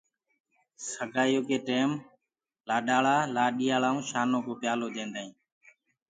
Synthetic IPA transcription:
səɡʱaːjoːkeːʈeːm | laːɗaːɭaːlaːɗiːaːlaːũːʃaːnõːkoːpjaːloːd̪ẽːnd̪aːĩː

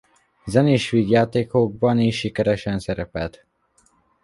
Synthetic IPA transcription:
zɛniːʃʋiːɡjaːt̪eːkoɡ̚bɒniʃːikɛɾɛʃɛnsɛɾɛpɛlt̪

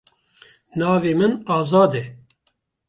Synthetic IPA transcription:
nɑːveːmɨnɑːzɑːd̪ɛ

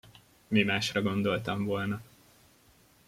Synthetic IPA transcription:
mimaːʃrɒɡo̞nd̪o̞lt̪ɒɱvo̞lnɒ

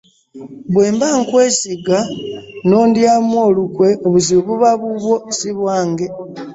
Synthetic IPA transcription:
bwe̞ːmbaŋkwe̞ːsiɡano̞ːndjamwo̞ːlukwe̞oβuzioβuβaβuβwo̞siβwaːŋɡe̞

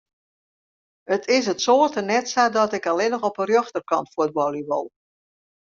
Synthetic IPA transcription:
ətʰɪs̬ətsoːtənɛtsadɔtɪkalɪnəxɔpərjøxtərkɔ̰ntfuəd̚bɔlˠiʋɔ̰lˠ

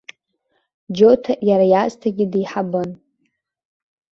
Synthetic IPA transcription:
d͡ʒotʰajaɾajastʰaɡʲɪdiiħabɨn

